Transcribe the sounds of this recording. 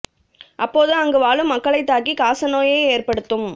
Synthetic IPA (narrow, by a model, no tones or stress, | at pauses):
ʔɐpːoːðɯɐŋɡɐʋaːɭɯmːɐkːɐɭɐɪt̪ːaːkikaːsɐnoːjeːeːrpɐɽɯt̪ːɯm